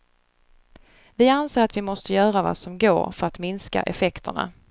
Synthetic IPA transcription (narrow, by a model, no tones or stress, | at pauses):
vɪanseːɾat̪vɪmɔst̪əjœːɾava̰sɔmɡo̰ːɾfœɾat̪mɪnska̰ʔɛfɛkt̪əɳa̰